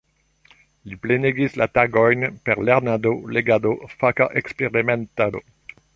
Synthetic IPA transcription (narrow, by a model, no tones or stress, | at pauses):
lipleneɡislataɡojnpeʁleʁnadoleɡadofakaʔekspeʁimentado̰